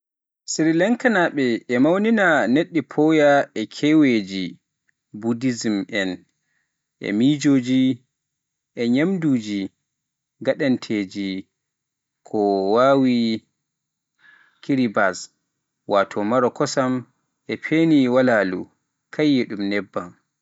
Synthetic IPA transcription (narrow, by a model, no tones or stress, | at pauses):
siɾilɛŋkanaɓɛʔɛmawninaneɗːipʰɔjaɛkʰɛwed͡ʒi | budizimʔɛn | ʔɛ̰mid͡ʒoːd͡ʒi | ʔɛɲamduːd͡ʒi | ɡaɗantʰeːd͡ʒi | kʰɔwawi | kiɾibas | watʰɔmaɾɔkɔsam | ʔɛpʰeniwalaːlṵ | kʰajːɛɗumnɛbːam